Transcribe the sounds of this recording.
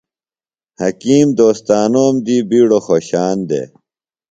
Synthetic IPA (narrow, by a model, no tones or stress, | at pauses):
hɐkiːmd̪oːst̪aːnoːmd̪iːbiːɽoxoːɕaːnd̪ḛː